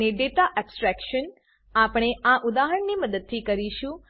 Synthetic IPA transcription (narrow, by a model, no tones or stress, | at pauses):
eɖeʈaʔɛbsʈɾɛkʃən | apɽ̃eaʔud̪aɦəɳniməd̪əd̪̚t̪ʰikəɾiʃũ